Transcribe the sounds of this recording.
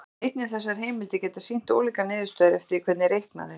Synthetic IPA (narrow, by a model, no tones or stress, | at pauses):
ejt̪̚nɪθɛs̬ːaɾ̥ɦeːjmɪlt̪ɪcɛːt̪asin̥t̪o̰ːwliːkanɪːðɪ̥st̪œːðɪɾɛft̪ɪɾikʰvɛt̪nɪɾejhkna̰ðɪɾ